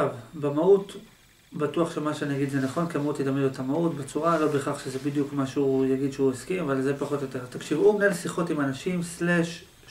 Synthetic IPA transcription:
avbemaut | batuaχʃemaʃeaniaɡidzenaχo̞nkiamaut̪jetamed̪uetamautbet͡suʁalo̞be̞χaχʃezebid̪jukmaʃujaɡid̪ʃeueskimavalze̞paχo̞t̪jo̞te̞ʁt̪akʃivumelsiχo̞timanaʃimsleʃ

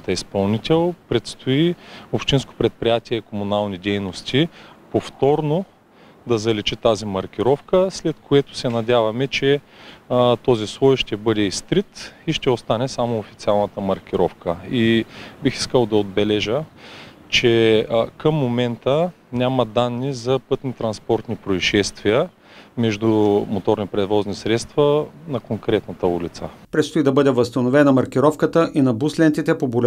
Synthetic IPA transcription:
t̪ɐispɐlˠnit̪ʲɛlˠpɾɛt̪st̪oiopʃt̪insko̥pɾɛt̪̚pɾijat̪ʲiɛikomunalˠnid̪ɛjnost̪ʲipoft̪ɔɾno | d̪ɐzɐlɛt͡ʃit̪azimɐɾk̟ʲiɾɔfkəslɛt̪koɛt̪ʊ̥sɛnɐdʲavɐmɛt͡ʃɛ | t̪ɔzislˠɔjʃt̪ɛbɤd̪ɛist̪ɾit̪iʃt̪ɛost̪anɛsamoːfit̪sialˠnət̪əmɐɾkʲiɾɔfkəibixi̥skəlˠd̪ɐod̪̚bɛlɛʒə | t͡ʃɛkəmːomɛnt̪ə | nʲaməd̪anːizɐpɤt̪nit̪ɾɐnspɔɾt̪nipɾoiʃɛst̪viə | mɛʒd̪umot̪ɔɾnipɾɛd̪vɔznisɾɛt̪st̪vɐnɐkoŋkɾɛt̪nɐt̪əulit̪səpɾɛt̪st̪ʊid̪ɐbɤd̪ɛvɐst̪ɐnovɛnɐmɐɾkiɾɔfkət̪əʔinɐbuslɛnt̪it̪ɛpobol

